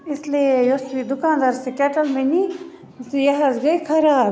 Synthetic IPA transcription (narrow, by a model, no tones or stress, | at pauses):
islejosid̪ukaːnd̪aːɾsekɛʈɐlmeni | jɐɦɐzɡɐjkʰɐɾaːb